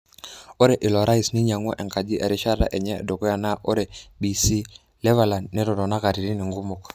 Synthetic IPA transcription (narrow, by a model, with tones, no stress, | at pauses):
o˦ɾe˨ʔɪ˨lɔ˨ɾa˦i˨sni˦ɲa˨ŋwɔ˦ʔɛ˨ŋka˨d͡ʒi˦ʔɛ˨ɾi˦ʃa˦ɾa̰˦ʔɛ˨ɲɛ̰˦˨do˨kɔ˦ja˨na˦ʔo˦ɾe˨bi˨si˦ | lɛ˦va˨la˨nnɛ˦ɾɔ˨ɾɔ˨na˦ka˨ɾi˨ɾi˦ni˨ŋɡu˦mʊ˨k